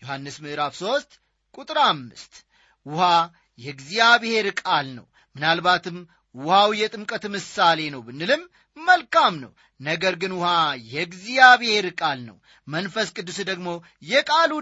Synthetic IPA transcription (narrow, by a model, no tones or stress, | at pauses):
johanːɨsmɨʔɾafso̞st̪ʼ | kʼut̪ʼɾamːɨ̰st̪ʼ | wʊha | jɛɡzijaβehe̞ɾkʼalnə̰w | mɨnalbat̪ʰɨm | wʊhawjɛt̪ʼɨmkʼət̪mɨsale̞nəwbɨnːɨlɨmː | əlkʼamnə̰w | nəɡəɾɡɨnwʊhajɛɡzijaβehe̞ɾkʼalnə̰w | mənfəskʼɨd̪ːusd̪əɡmo̞ | jɛkʼalu